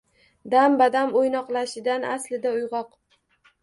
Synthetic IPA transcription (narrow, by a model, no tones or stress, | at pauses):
d̪ambad̪amojnɒqlˠaʃɪd̪anaslɪd̪aʊjʁɒq